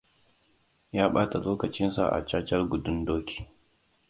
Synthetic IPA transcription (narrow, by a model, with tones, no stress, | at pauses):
jaː˦ɓaː˦ta˨loː˦kɐ˨t͡ʃɪ˦nsa̰˨ʔa̰˨t͡ʃaː˦t͡ʃɐ˦rɡʷʊ˨dʊ˦ndoː˦kʲʰi̥ː˨